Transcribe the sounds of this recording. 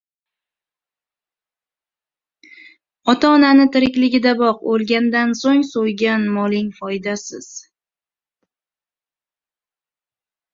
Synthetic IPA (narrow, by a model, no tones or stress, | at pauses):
ɒt̪ʰaɒnanɪt̪ʰɪɾɪkʲlɪɡʲɪd̪abɒqolˠɡʲand̪ansoŋsojɡʲanmɒlɪŋfɒjd̪asɪz̥